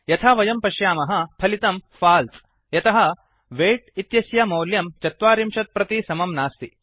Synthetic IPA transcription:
jɐt̪ʰaːʋɐjɐmpɐʃjaːmɐɦɐ̆pʰɐlit̪ɐmfaːlt̪ | jɐt̪ɐɦɐ̆ | ʋeːʈ̚it̪jɐsjɐmɐːljɐmt͡ʃɐt̪ʋaːɾimʃɐt̪̚pɾɐt̪isɐmɐmnaːst̪i

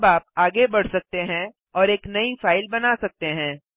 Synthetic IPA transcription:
baːp̚aːɡebɐɽ̤sɐk̚t̪eɦɛ̃ | ɔːɾeːknɐifaːɪlbɐnasɐk̚t̪eɦɛ̃ː

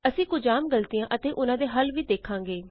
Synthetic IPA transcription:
əsĩːkʊd͡ʒaːmɡəlt̪ɪjãːʔət̪eːʔʊnãːd̪eːɦəlʋiːd̪eːkʰːãːŋɡeː

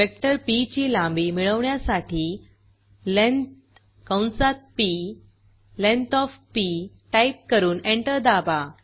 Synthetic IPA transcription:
pek̚ʈəɾpit͡ɕiːlãmbiːmiɭəʋɳjasaʈiː | lent̪ | kãwnsat̪̚pi | lẽnt̪ɔfpi | ʈaip̚kəɾuːneɳʈəɾd̪aba

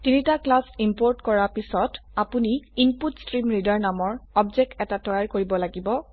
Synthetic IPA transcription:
tinitaklasimpoɹtkɔɹapisɔtapuniimputstɹimɹidaɹnamɔɹɔbzɛk̚tɛtatɔjaɹkoɹibɔlaɡibɔ

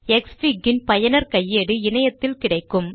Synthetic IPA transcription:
ɛksfiɡɪnpɐjɐnɐɾkɐjːeɽɯɪnɐjɐt̪ːɪlkɪɽɐɪkːɯm

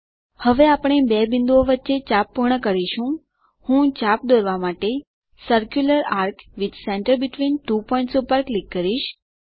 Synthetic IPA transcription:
həʋeapɳ̃ebebind̪uoʋətːʃet͡ʃapːuɾɳəkəɾiʃũ | hũt͡ʃap̚d̪oɾʋamaʈe | səɾkjuləɾaɾkʋid̪sɛɳʈəɾbiʈʋinʈupɔĩɳʈsupəɾklikːəɾiʃ

